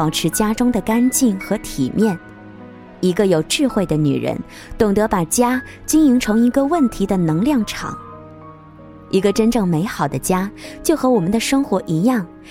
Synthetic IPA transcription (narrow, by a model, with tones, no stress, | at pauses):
ɑ˨˩ʊʈ͡ʂʰɻ̩˧˥t͡ɕja˥ʈ͡ʂʊ˥ŋd̪ə˨ka˥nt͡ɕi˥˩nxɤ˧˥t̪ʰi˨˩mjɛ˥˩n | i˧˥ɡə˧jo˨˩ʊʈ͡ʂɻ̩˥˧xwe˥˩ɪd̪ə˩ny̰˨˩ɻə̰˧˥n | t̪ʊ˨˩ŋt̪ɤ˧˥pa˨˩t͡ɕja˥ | t͡ɕi˥ŋi˧˥ŋʈ͡ʂʰɤ˧˥ŋi˧˥ɡə˧wə˥˩nt̪ʰi˧˥d̪ə˧nɤ˧˥ŋljɑ˥˩ŋʈ͡ʂʰɑ̰˨˩˦ŋ | i˧˥ɡə˧ʈ͡ʂə˥nʈ͡ʂɤ˥˩ŋme˧˥ɪxɑ˨˩ʊd̪ə˦t͡ɕja˥t͡ɕjo˥˩ʊxɤ˧˥wɔ˨˩mə˦nd̪ə˧ʂɤ˥ŋxwɔ˧˥ʔi˧˥jɑ˥˩ŋ